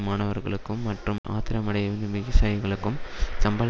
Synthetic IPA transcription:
maːnɐʋɐɾɣɐ̰ɭɯkːɯmːɐʈrɯma̰ːt̪ɪɾɐmɐɽɐjɐʋnɯmɪɣɪsaːjɣɐɭɯkːɯmsɐmbɐl

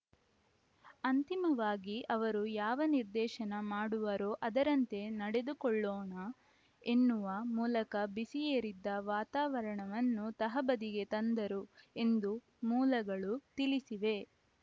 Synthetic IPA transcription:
ɐnt̪imɐʋaːɡiʔɐʋɐɾujaːʋɐniɾd̪ɛːʃɐnɐmaːɽuʋɐɾoːʔɐd̪ɐɾɐnt̪e̞nɐɽe̞d̪ukɔɭːoːɳɐ | e̞nːuʋɐmuːlɐkɐbisijeːɾid̪ːɐʋaːt̪aːʋɐɾɐɳɐʋɐnːut̪ɐɦɐbɐd̪iɡe̞t̪ɐnd̪ɐɾue̞nd̪u | muːlɐɡɐɭut̪ilisiʋe̞

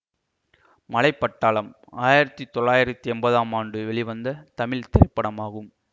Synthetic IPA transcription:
mɐlɐɪpːɐʈːaːɭɐm | aːjɪɾɐt̪ːit̪ɔɭːaːjɪɾɐt̪ːiɛmbɐðaːmaːɳɖɯʋɛɭɪʋɐnd̪ɐt̪ɐmɪlt̪ɪɾɐɪpːɐɽɐmaːɣɯm

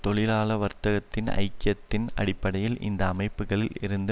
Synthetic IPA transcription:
t̪ɔɭɪlaːlɐʋɐɾt̪ɐɣɐt̪ːɪnɐ̰ɪkːɪjɐt̪ːɪnɐ̰ɽɪpːɐɽɐjɪlɪ̰nd̪ɐːmɐɪpːɯɣɐɭɪlɪɾɯnd̪ɯ

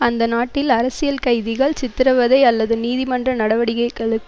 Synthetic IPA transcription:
ɐnd̪ɐnaːʈːɪlɐɾɐsɪjɐlkɐɪðɪɣɐɭt͡ʃɪt̪ːɪɾɐʋɐðɐɪɐlːɐðɯniːðɪmɐndrɐnɐɽɐʋɐɽɪɣɐɪkːɐɭɯkː

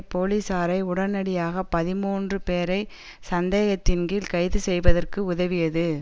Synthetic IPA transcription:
poːliːsaːɾɐɪʊɽɐnɐɽɪjaːɣɐpːɐðɪmuːndrɯpeːɾɐɪ | sɐnd̪eːɣɐt̪ːɪnɡilkɐɪðɯsɛjʋɐðɐrkɯʊðɐʋɪjɐðɯ

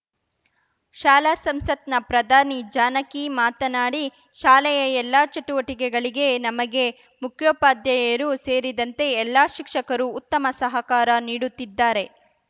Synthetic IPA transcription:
ʃaːlasɐmsɐt̪nɐpɾɐd̪ʱaːnid͡ʒaːnɐkimaːt̪ɐnaːɽi | ʃaːlɛjɐɛlːaːt͡ʃɐʈuʋɐʈikɛɡɐɭiɡe̞nɐmɐɡe̞ | mukʰjoːpaːd̪jɐjɐɾuse̞ːɾid̪ɐnt̪e̞ɛlːaːʃikʂɐkɐɾuːt̪ːɐmɐsɐɦɐkaːɾɐniːɽut̪ːid̪ːaːɾe̞

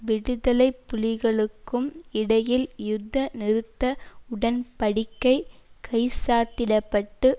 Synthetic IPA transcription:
ʋɪɽɯðɐlɐɪpːʊlɪɣɐɭɯkːɯmɪɽɐjɪljʊd̪ːɐnɪɾɯt̪ːɐʊɽɐnpɐɽɪkːɐɪkʰɐɪsaːt̪ɪɽɐpːɐʈːɯ

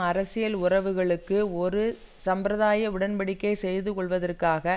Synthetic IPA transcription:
ɐɾɐsɪjɐlʊrɐʋɯɣɐɭɯkːɯɔɾɯ | sɐmpɾɐðaːjɐʋɪɽɐnbɐɽɪkːɐɪsɛjðɯkɔɭʋɐðɐrkaːɣɐ

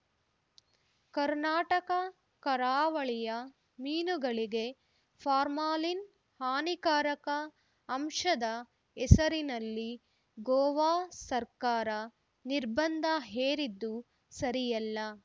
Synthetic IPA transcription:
kɐɾnaːʈɐkɐ | kɐɾaːʋɐɭijɐ | miːnuɡɐɭiɡe | pʰaːɾmaːlin | haːnikaːɾɐkɐː | mʂɐd̪ɐ | ɛsɐɾinɐlːi | ɡɔːʋaːsɐɾkaːɾɐ | niɾbɐnd̪ʱɐɦeːɾid̪ːu | sɐɾijɐlːɐ

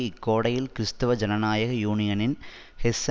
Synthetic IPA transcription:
ɪkːoːɽɐjɪlkɪɾɯst̪ɐʋɐd͡ʒɐnɐnaːjɐɣɐjuːɳɪjɐnɪn | hɛs

